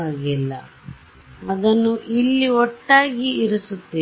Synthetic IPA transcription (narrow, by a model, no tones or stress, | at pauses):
aːɡilːɐ̰ | ɐd̪ɐnːuʔilːiɔʈːaːɡiːɾusut̪ːi